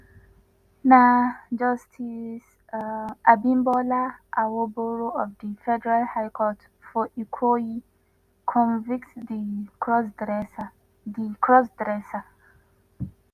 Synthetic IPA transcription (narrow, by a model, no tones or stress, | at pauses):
nad͡ʒɔstʰis | ʔabĩmbɔlaʔawoboɹoɔvdifɛdɛɹalhaɪkʰɔt | fɔʔikʰoi | kʰɔ̃nviktdis | dikʰɹɔsdɹɛsa